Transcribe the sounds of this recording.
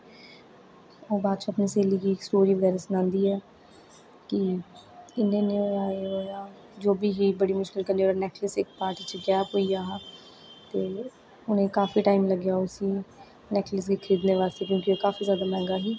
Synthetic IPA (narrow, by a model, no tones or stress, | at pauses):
oːbaːd̪̚t͡ʃʰuəpniːseːliːkiːksʈoːɾiːʋəɡɛːɾaːsənãːnd̪iːɛː | kɪ | ɪnẽːnẽːoːjaːeːoːjaː | d͡ʒoːbiːɦiːbəɽiːmʊʃkɪlkənd̪ioːanɛːʈʰləsɪk̚paːɾʈiːt͡ʃəɡɛːpɦoːiːaː | t̪eː | ʊnẽːkaːfiːʈaːiːmləɡjaːoːsiː | nɛːʈʰləsɡiːkʰəɾiːd̪neːʋaːst̪eːkjõːkioːkaːfʰiːzjaːd̪aːmɛ̃ːŋɡaːɦiː